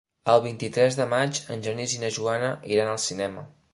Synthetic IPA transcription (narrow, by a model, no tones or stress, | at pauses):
əlˠβ̞int̪it̪ɾɛzðəmat͡ʃənʲʒənizinəʒuanəʔiɾanəlˠsinɛmə